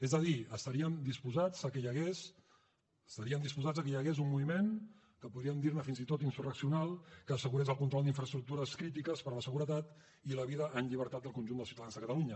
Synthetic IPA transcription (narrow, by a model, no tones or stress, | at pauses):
ezd̪əðiəst̪əɾiəmd̪ispuzad͡zəkəjəɣes | st̪əɾiəmd̪ispuzad͡zəkəjəɣezunmuβimen | kəpuðɾiəmd̪iɾməfinzit̪ot̪insurəksiunalˠkəːsəɣuɾezəlˠkunt̪ɾɔlˠd̪iɱfɾəst̪ɾuk̚t̪uɾəskɾit̪̬ikəspəɾləsəɣuɾət̪at̪ | iləβiðəʔːnʎiβ̞əɾt̪ad̪̚əlˠkunʲʒund̪əsiwt̪aðanzðəkət̪əluɲə